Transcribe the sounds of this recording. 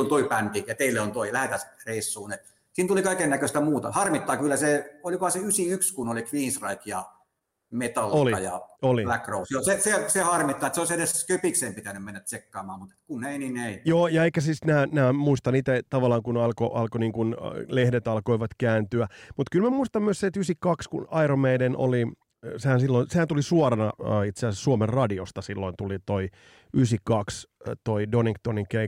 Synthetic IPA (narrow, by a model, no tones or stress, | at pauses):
ont̪oipænk̪ijɑt̪eilːeont̪oilæhæt̪æsreisːuːnet̪ | siːnt̪ulikɑikenːækøst̪æmuːt̪ɑ̰hɑrmit̪ːɑːkylːæseolikohɑseysiykskunolikʋiːnsrɑikjɑ̰ | met̪ɑlːoliɑjɑ̰olilækrousjosesesehɑrmit̪ːɑet̪seoisedeskøpikseːmpit̪ænymmenːæt̪sekːɑːmɑ̰ːmmut̪e̥t̪kuneinineijoːjɑekːæsiːsnæːnæːmuist̪ɑniːt̪æt̪ɑʋɑlːˑɑːŋkunɑlko̰ʔɑlkoniːŋkunlehdet̪ɑlkoiʋɑt̪kæːnt̪yæmut̪kylmæmuist̪ɑmmyøsseet̪ysikɑkskṵnɑiɾomeidenʔo̰li | sehænsilːoinsehænt̪ulisuorɑnɑøːit̪seæsessuomerrɑdiost̪ɑsilːoint̪ulit̪oi | ysikɑkst̪oidoniŋkt̪oniŋkei